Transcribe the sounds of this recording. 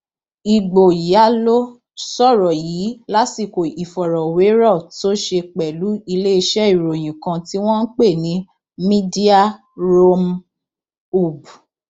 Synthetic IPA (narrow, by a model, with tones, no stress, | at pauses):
i˨ɡ͡bo˨ji˨˦a˦lo˦ | sɔ˦˨ɾɔ˨jiː˨˦la˦ti˦˨ko˨i˨fɔ˨ɾɔ˨we˨˦ɾɔ˦˨to˦ʃe˧k͡pɛ˨lu˨˦i˧le˦i˧ʃɛ˦i˨ɾo˨j̃ĩ˨kã˧ti˦w̃ɔ̃˦n̩˦k͡pe˦˨nĩ˨˦ | mĩ˦di˦a˦ | ɾo˦m | u˦˨bu˨